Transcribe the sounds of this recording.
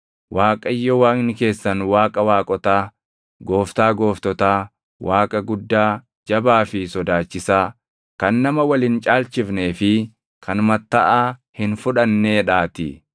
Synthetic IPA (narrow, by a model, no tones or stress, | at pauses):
waːkʼɐjːɔwaːŋnɪke̞ːsːɐnwaːkʼɐwaːkʼɔt̪aː | ɡo̞ːft̪aːɡo̞ːft̪ɔt̪aː | waːkʼɐɡʊd̪ːaː | d͡ʒɐbaːfɪsɔd̪aːt͡ʃːɪsaː | kɐnːɐmɐwɐlɪnt͡ʃʼaːlt͡ʃɪfne̞ːfɪ | kʰɐnmɐt̪ːɐʔaːhɪnfʊᶑɐnːeːᶑaːt̪ɪ̰